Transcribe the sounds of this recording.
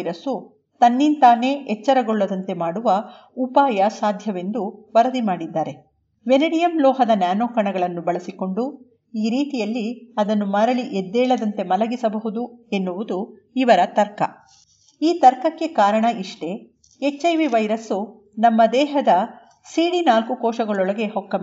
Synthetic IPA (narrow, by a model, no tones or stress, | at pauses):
ɾɐsu | t̪ɐnːint̪aːne̞ːɛt͡ʃːɐɾɐɡoɭːɐd̪ɐnt̪e̞maːɽuʋɐupaːjɐsaːd̪ʱjɐʋe̞nd̪uʋɐɾɐd̪imaːɽid̪ːaːɾe̞ | ʋenɐɽijɐmlɔːɦɐd̪ɐnjaːnɔːkɐɳɐɡɐɭɐnːubɐɭɐsiko̞ɳɖu | iːɾiːt̪ijɐlːiɐd̪ɐnːumɐɾɐɭiʔed̪ːɛːɭɐd̪ɐnt̪e̞mɐlɐɡisɐbɐɦud̪ue̞nːuʋud̪u | iʋɐɾɐt̪ɐɾkɐ̰ | iːt̪ɐɾkɐkːe̞kaːɾɐɳɐʔiʂʈe̞ | et͡ʃːɐjʋiʋɐjɾɐsu | nɐmːɐd̪ɛːɦɐd̪ɐ | siːɽinaːlkukɔːʃɐɡɐɭɔɭɐɡe̞hɔkːɐm